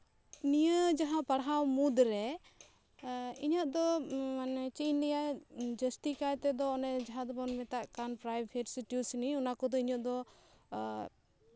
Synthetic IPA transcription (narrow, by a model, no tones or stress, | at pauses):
nijəd͡ʒaɦãpaɽɦamud̪ɾɛ | iɲəʔ̪̚d̪ɔmnɛt͡ʃinlɛjad͡ʒəsʈikajt̪ɛd̪ɔːnɛd͡ʒaɦãd̪ɔbɔnmɛt̪aʔkanpɾajbʱɛʈsiʈjusniunakɔd̪ɔiɲɔt̪̚d̪ɔ